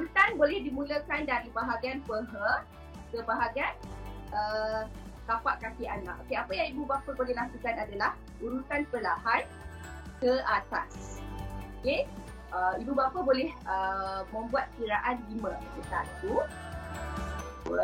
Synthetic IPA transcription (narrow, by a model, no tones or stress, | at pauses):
ut̪anbolɛhdimũləkandaɾibaɦaɡianpəɦə | kəbaɦaɡianʔə | kapaʔkakia̰na̰ʔokeapajaŋibubapəbolɛhlakukanadalah | uɾusanpəlaɦan | kəʔat̪a̰s | oke | ʔəibubapəbolɛhəmə̃mbuat̪̚kiɾaʔanɡimə̃kut̪a̰nt̪u